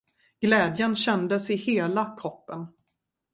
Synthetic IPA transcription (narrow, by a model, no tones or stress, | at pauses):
ɡ̥lɛːd̪jənɕɛnd̪əsɪheːlakʰɾɔpːən